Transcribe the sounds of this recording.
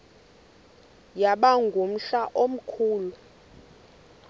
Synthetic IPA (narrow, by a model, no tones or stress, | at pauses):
jaɓaŋɡʱum̩ɬaʔom̩kʰuːlu